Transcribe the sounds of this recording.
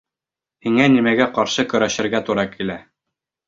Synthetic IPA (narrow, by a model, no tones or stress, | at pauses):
hiŋænimæɡæqɒɾʃɤkɵ̆ɾæʃɘ̆ɾɡæt̪uɾɑkʰilæ